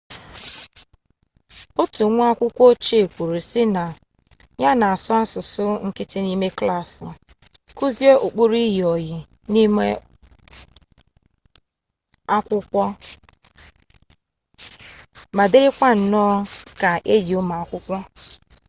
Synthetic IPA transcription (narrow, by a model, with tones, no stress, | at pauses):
ʊ˦tu˨˦ŋʷ˦a˦kʷʊ˦kʷo˦t͡ʃe˦e˨kʷu˨ɾu˨sɪ˦na˨ | ja˦na˨a˨sɔ˦a˦sʊ˨sʊ˦ŋ̩˦kɪ˦tɪ˦ni˦me˦kla˦˨sɪ˨ | ku˦zi˦e˦ʔo˨k͡pu˦ɾi˦ɦi˨ɔ˨jɪ˨ | ni˦me˦ | a˦kʷʊ˦kʷɔ˦ | ma˨dɪ˦ɾɪ˦kʷa˦n̩˨nɔ˦ka˨ʔe˦d͡ʒi˨ʊ˦ma˨a˨kʷʊ˦kʷɔ˦